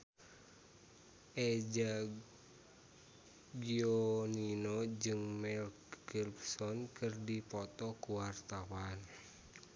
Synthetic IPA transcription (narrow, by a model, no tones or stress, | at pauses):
ʔɛd͡ʒa | ɡioninod͡ʒɨŋmɛlkɡilbsɔnkɨrdipɔt̪ɔkuwart̪awan